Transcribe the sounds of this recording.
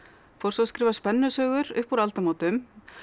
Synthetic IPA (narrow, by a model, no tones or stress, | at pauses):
fɔw̥ɾsɔskɾɪːvaspɛnːʏsœːɣʏɾʏhpuɾalt̪amaːwt̪ʏm